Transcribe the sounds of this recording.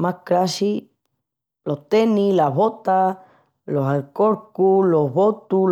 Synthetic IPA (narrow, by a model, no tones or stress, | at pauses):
makɾaʃi | lot̪enĩlaβot̪a | loɦalkoɾkuloβot̪u